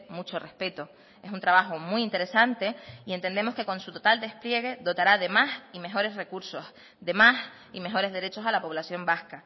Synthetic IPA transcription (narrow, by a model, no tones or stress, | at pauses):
mut͡ʃo̞re̞hpe̞t̪o | e̞sunt̪ɾaβaxomwuint̪e̞ɾesant̪e̞ie̞nt̪e̞nd̪e̞mo̞ske̞ko̞nsut̪ot̪ald̪e̞hplje̞ɣe̞ðo̞t̪aɾaðe̞masime̞xo̞ɾe̞sre̞kuɾso̞s | d̪e̞mas | ime̞xo̞ɾezðeɾe̞t͡ʃo̞salapo̞β̞lasjo̞mbahka